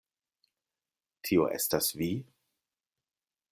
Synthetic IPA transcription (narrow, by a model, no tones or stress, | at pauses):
tʰio̞̰ʔe̞̰stasvi